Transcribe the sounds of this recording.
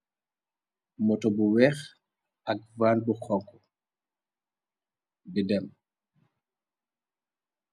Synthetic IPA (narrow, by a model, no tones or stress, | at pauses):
mɔtɔbuwɛːx | aɡ̚vaːnbuxɔŋkɔ | bidɛm